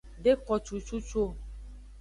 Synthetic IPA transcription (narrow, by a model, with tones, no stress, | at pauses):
ɖe˦kɔ˨t͡ʃu˨t͡ʃu˦t͡ʃo˦